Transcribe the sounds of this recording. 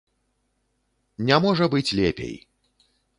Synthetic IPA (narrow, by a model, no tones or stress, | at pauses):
nʲamɔʐɐbɨt͡sʲlʲḛpʲḛj